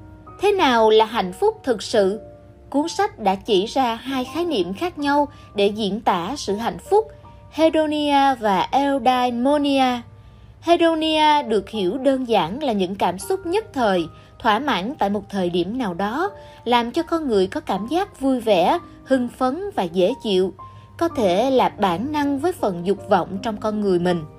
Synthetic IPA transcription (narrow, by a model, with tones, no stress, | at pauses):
t̪ʰe˨˦naː˨˩wlaː˨˩ɦa̰˧˨jŋ̟fʊ˦˥k͡p̚t̪ʰɨ˨˩k̚sɨ̰˧˨ | ku˨˦ənsa˦˥jk̟̚ɗa̰ː˧˥t͡ɕi˧˩zaː˧ɦaː˧jxaː˨˦jnḭ˧˩˨əmxaː˦˥k̚ɲa˧w | ɗe˧˩zḭ˧˨ənt̪a̰ː˧˩sɨ̰˧˨ɦa̰˧˨jŋ̟fʊ˦˥k͡p̚ | he˧ɗo˧ni˧aː˧vaː˨˩ʔɛ˧wɗaː˧jmo˧ni˧aː˧ | he˧ɗo˧ni˧aː˧ɗɨ˨˩ək̚hi˧˩əwɗəː˧nzaː˧˩nlaː˨˩ɲɨ̰˧˥ŋkaː˧˩msʊ˦˥k͡p̚ɲə˦˥t̚t̪ʰəː˨˩j | t̪ʰwaː˧˩ma̰ː˧˥nt̪a̰ː˧˨jmo˨˩t̚t̪ʰəː˨˩jɗi˧˩əmnaː˨˩wɗɔ˨˦ | laː˨˩mt͡ɕɔ˧kɔ˧nŋɨ˨˩əjkɔ˨˦kaː˧˩mzaː˦˥k̚vu˧jvɛ̰˧˥ | hɨ˧ŋfə˨˦nvaː˨˩ze˧˩t͡ɕḭ˧˨əw | kɔ˨˦t̪ʰe˧˩laː˨˩ɓaː˧˩nna˧ŋvəː˨˦jfə˨˩nzʊ˨˩k͡p̚vɔ̰˧˨wŋ͡mt͡ɕɔ˧wŋ͡mkɔ˧nŋɨ˨˩əjmï˨˩ŋ̟